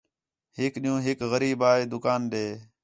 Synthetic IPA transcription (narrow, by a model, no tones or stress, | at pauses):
hɪkɗɪjũːɦɪkɣəɾiːbaːeːd̪ʊkaːnɗeː